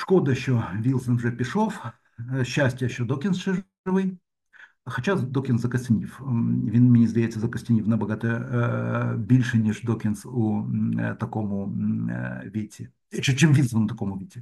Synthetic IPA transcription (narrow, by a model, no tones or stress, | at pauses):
ʂkod̪əjɪɕːovʲilˠsənʐɛpʲɪʂof | ɕːæsʲtʲjəjɪɕːod̪okʲɪnsʂɨʐ | ɨvɨj | xɐt͡ɕad̪okʲɪnszɐkɐsʲtʲnʲifvʲinmʲɪnʲizd̪ʲjet̪ʲsʲəzəkɐsʲtʲɪnʲifnɐbɐɡat̪əjə | bʲilʲʂɨnʲɪʂd̪okʲɪnsʊt̪ɐkomʊ | vʲetʲɪ | t͡ɕet͡ɕemvilˠsvənʊt̪ɐkomʊvʲetʲɪ